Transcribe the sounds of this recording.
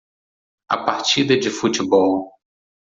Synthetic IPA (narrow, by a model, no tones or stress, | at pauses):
ɐ̰paɾt͡ʃid̪ɐd͡ʒɪfut͡ʃɪbɔw